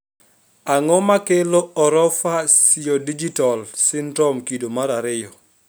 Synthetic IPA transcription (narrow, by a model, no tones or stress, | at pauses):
aŋɔmakeloɔɾɔfasɪjɔdid͡ʒitɔlsɪndɾɔmkidomaɾaɾɪɔ